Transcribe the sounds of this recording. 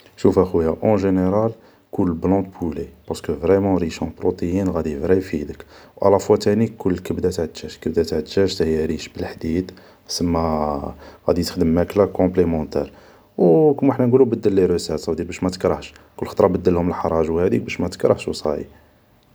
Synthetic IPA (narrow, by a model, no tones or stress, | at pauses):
ʃufæxwjaʔɑ̃ʒeneɾɑl | kulːblɑ̃d̪̚pʰulepɑɾsə̥kəvʁɛmɑ̃ɾiʃɑ̃pɾot̪ˤejinɣæd̪ivɾijfid̪əkwʔæ̰læfwæt̪æniʊlːkæbd̪æt̪ʕd̪ʃæʃkæbd̪æt̪ʕəd̪ʃæʃt̪həjɾiʃbəlħd̪id̪ | səmːæ | ɣæd̪it̪əxd̪əmːæklækɔ̃plemɑ̃t̪ɛ̰ɾ | wkəmːħnænɡulubəd̪ːəlːiɾosæsɑwd̪iɾbæʃmæt̪ə̥kɾɑhʃ | kʊlːxə̥t̪ˤɾˤɑbəd̪ːəlhʊməlħɑɾˤɑʒwhæd̪ik̚bæʃmæt̪ə̥kɾˤəʕʃwsˤɑ̰ʕḭ